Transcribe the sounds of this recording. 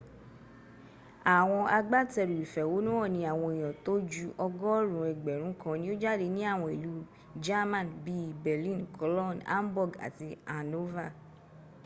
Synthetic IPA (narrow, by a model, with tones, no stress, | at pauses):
a˨w̃ɔ̃˧a˧ɡ͡ba˦tɛ˧ɾi˨ɾi˨fɛ˨wo˨˦nũ˦ɔ˦˨nĩ˧a˨w̃ɔ̃˧i˨j̃ɔ̃˨to˦d͡ʒu˦˧ʔɔ˧ɡɔ˦ɾũ˨ɛ˨ɡ͡bɛ˨ɾ̃ũ˨˦kã˧nĩ˦o˦d͡ʒa˦de˧nĩ˦a˦˨w̃ɔ̃˧i˨lu˨˦ | d͡ʒa˦mã˦˨nbi˦bɛ˨lĩ˦nkʰɔ˨˦lɔ˦˨na̰˦m˦bɔ˦˨ɡa̰˨ti˧a˨no˦va˦˨